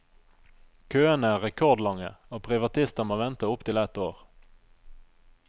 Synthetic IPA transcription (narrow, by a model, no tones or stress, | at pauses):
kʰøːənəæːʁɛkʰɔʁd̪lɑŋə̰oːpʰʁɪʋɑt̪ʰɪst̪əmoːʋɛnt̪əʊpt̪ʰɪlɛt̪oːʁ